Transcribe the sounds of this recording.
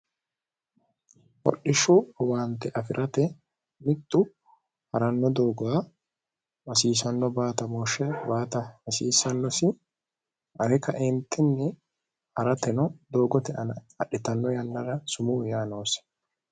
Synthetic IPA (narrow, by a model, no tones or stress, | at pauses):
ʔɔ̰ɗːɪʃʊwaːnt̪ːɛʔɐfɪɾʔɐt̪ɛ | mɪt̪ːʊ | hɐɾɐnːɔd̪o̞ːɡwaː | wɐsiːsɐnːɔbaːt̪ɐmoːʃɛbaːt̪ɐwɐsiːsɐnːɔsɪ | ɐɾɛkɐʔɪnt̪ʰːɪnːɛ | ʔɐɾɐt̪ɛnɔd̪o̞ːɡɔt̪ɛɐnɐ | ɐɗːɪt̪ɐnːɔjɐnːɐɾɐsʊmujaːno̞ːs